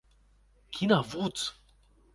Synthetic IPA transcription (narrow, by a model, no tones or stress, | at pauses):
kʰinavut͡s